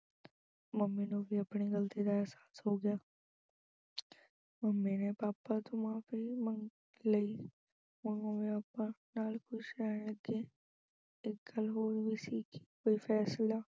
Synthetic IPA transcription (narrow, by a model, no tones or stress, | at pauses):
mɐmːinõbʱiɐpniɡəlt̪id̪aɛːsaːsɦoːɡɪjaː | məmːinepaːpat̪ʊmãːfiməŋ | ləi | ʊnõbiaːpənaːlkʊʃɛːɐɡe | ɪk̚ɡəlɦoːɾbʱisiːkʰi̥koːifʰɛːslaː